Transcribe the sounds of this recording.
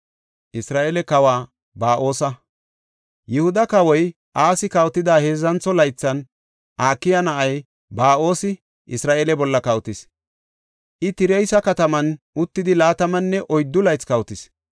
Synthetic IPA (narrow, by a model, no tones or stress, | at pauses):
ʔɪsɾaːʔeːlɛkɐwaː | baːʔo̞ːsɐ | jɪhʊd̪ɐkɐwɔj | ʔaːsɪkɐwt̪ːɪd̪aːhe̞ːzɐnt͡sːɔlɐjt͡sːɐn | ʔaːkːɪjɐnɐʔɐj | baːʔo̞ːsɪ | ɪsɾaːʔeːlɛbɔlːɐkɐwt̪ɪs | ʔɪt̪ɪɾɛjsɐkɐt̪ɐmɐnʔʊt̪ːɪd̪ɪlaːt̪ɐmɐnːɛʔɔjd̪ːʊlɐjt͡skɐwt̪ɪs